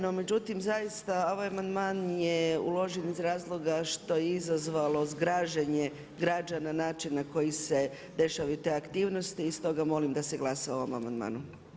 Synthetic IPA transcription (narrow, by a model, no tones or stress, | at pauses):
nome̞d͡ʑut̪imzajist̪ao̞ʋajamand̪maːnjeṵlˠo̞ʒenizɾaːzlˠo̞ɡaʃt̪o̞jeizazʋalˠo̞zɡɾaːʒeɲe | ɡɾad͡ʒananaːt͡ʃinːako̞jise̞ | d̪e̞ʃaʋajut̪e̞ːakt̪iːʋno̞st̪iːst̪o̞ɡamo̞limd̪aseɡlˠasaoʋomamand̪ma̰ːnu